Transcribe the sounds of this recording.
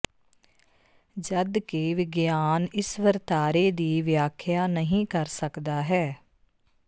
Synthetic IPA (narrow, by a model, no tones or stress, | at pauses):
d͡ʒəd̪keːʋɪɡjaːnɪsʋəɾt̪aːɾeːd̪iːʋjaːkʰjaːnəɦĩːkəɾsəkd̪aːɦɛː